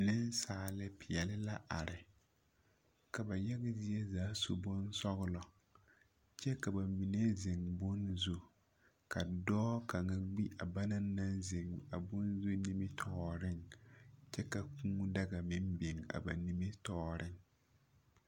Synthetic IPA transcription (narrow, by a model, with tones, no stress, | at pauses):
nɪ˦n˦saː˨lɪ˦pɪ˨jɛ˨lɪ˦la˦ʔa̰˨ɾɪ˨ | ka˨ba˨jɛ˦ɣa˦zi˦jɛ˦zaː˨˦so˨bʊ˦n˦sɔ˦ɣʊ˦lɔ˨ | t͡ʃɛ˦ka˨ba˨mi˨ne˦zɪ˨ŋbʊ˦nzu˦ | ka˨dɔː˦ka˨ŋa˦ɡ͡bi˦ʔa˨ba˦naː˦a˦nzɪ˨ŋa˨bʊ˦nzu˦ni˦mɪ˦tʰɔː˨ɾɪ˦ŋt͡ʃɛ˦ka˨kuː˦da˦ɡa˨mɪ˦mbe˨ŋa̰˨ba˨ni˨mɪ˦tɔː˨ɾɪ˦ŋ